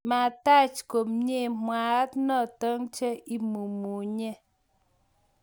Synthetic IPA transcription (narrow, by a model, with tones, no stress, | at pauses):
ma˨ta˦t͡ʃko˨mɲe˦˨mwa˨˦tnɔ˦˨tə˦ŋt͡ʃe˦i˦mu˨mu˨ɲe˦